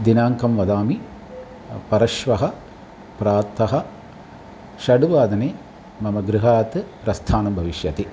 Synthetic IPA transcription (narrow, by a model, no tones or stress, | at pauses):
d̪inaːŋkʰɐmʋɐd̪aːmi | pɐɾɐʃʋɐɦɐ̆ | pɾaːɾt̪ːɐɦɐ | ʃɐɽuʋaːd̪ɐneː | mɐmɐɡɾɨɦaːt̪ɨpɾɐst̪ʰaːnɐmbʱɐʋiʃjɐt̪e